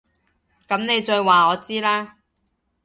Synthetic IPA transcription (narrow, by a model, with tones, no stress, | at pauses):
kɐ˨˥mne˨˧jt͡ʃɵ˧jwaː˨ɔː˨˧t͡siː˥laː˥